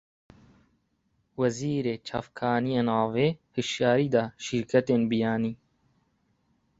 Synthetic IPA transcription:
wɐziːɾet͡ʃʰa̰ːfkʰaːniɐnaːweːhiʃjaːɾiːd̪aːʃiɾkɐt̪eːnbijaːniː

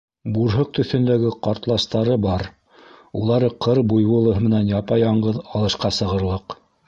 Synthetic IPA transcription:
buɾɦɤk̚t̪ɵ̆θɵ̆nd̪æɡɘqɑɾt̪lˠɑʃt̪ɑɾɤbɑɾ | ulˠɑɾɤqʰɤɾbujβŭlˠɤ̆ɦɤmɘ̆nænjɑpɑjɑɴɢɤðɑlˠɤ̆ʃqɑsɤ̆ʁɤ̆ɾlˠɤq

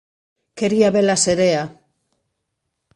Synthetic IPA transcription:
ke̞ɾiaβelaseɾea

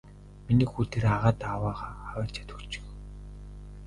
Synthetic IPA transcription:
miniːxuːt̪ʰeraʁaːt̪awaːʁaːχawæːt͡ɕʰḁt̪ɵ̆kt͡ɕɪ̥̆k

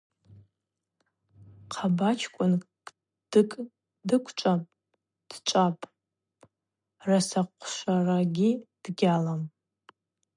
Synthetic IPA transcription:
qʰabat͡ʃʰkʷʼʊnʼ | d̥ɨkʼ | dɨkʷʰt͡ʃʷʼapʼ | d̥t͡ʃʷʼapʼ | rasaqʷʰʃʷaraɡʲid̥ɡʲalam

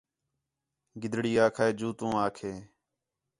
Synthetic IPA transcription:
ɡɪd̪ʱɽiːaːkʰaːeːd͡ʒuːt̪ũːaːkʰeː

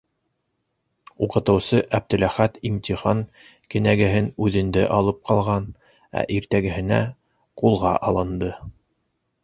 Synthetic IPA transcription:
uqɤ̆t̪ɤ̆wsɤʔæb̚t̪ɘ̆læχæt̪imt̪ʲiχɑŋ | kɘ̆næɡɘ̆ɦɘnʉðɘ̆nd̪ɘʔɑlˠɤp̚qʰɑlˠʁɑn | æ̰ʔiɾt̪æɡɘ̆hɘ̆næ̰ | qulˠʁɑʔɑlˠɤ̆nd̪ɤ

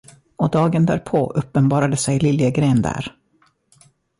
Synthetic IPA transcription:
ɔd̪ɑːɡənd̪æ̰ːɾpʰoːʔɵpːənbɑːɾad̪əsɛjlɪljəɡɾeːnd̪æ̰ːɾ

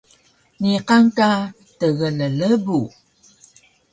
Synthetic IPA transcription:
niqaŋka | təɣələləbu

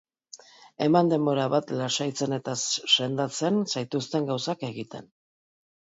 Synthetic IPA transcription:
e̞mand̪e̞mbo̞ɾaβat̪lasajt͡se̞ne̞t̪asse̞nd̪at͡se̞nsajt̪ust̪e̞ŋɡawsake̞ɣit̪e̞n

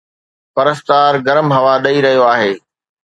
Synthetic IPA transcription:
pɐɾəst̪aːɾɡɐɾəmɦɐʋaɗɐiɾɐɦijoaːɦeː

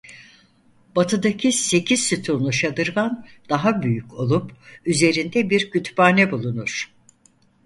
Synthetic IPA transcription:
b̥at̪ʰɯd̪acʰise̞cʰiz̥syt̪ʰulˠnˠuʃad̪ɯɾmand̪̥aɦabyjyco̞lˠupyze̞ɾind̪ɛbiɾɟyt̪ʰbaːnɛbulˠunuɾ̥

